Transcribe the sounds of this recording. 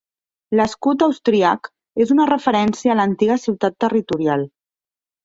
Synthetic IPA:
ləskut̪əwst̪ɾiak | ezunərəfəɾɛnsiəːlənt̪iɣəsiwt̪at̪ːərit̪uɾialˠ

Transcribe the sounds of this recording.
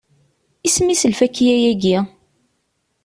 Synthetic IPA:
ismisəlfækːijæjæɡi

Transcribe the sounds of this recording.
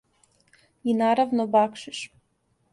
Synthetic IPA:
inaːɾaʋnobakʃɪʃ

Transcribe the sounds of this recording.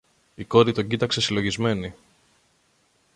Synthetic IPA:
iko̞ɾit̪o̞ɲɟit̪ɐkse̞silo̞ʝizme̞ni

